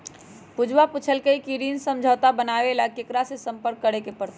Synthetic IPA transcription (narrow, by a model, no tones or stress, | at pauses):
pud͡ʒʱwaput͡ʃʰəlkeikiɾiːnsə̃md͡ʒʱəːt̪abənaːʋelakekɾasesə̃mpəɾkːəɾekepəɾt̪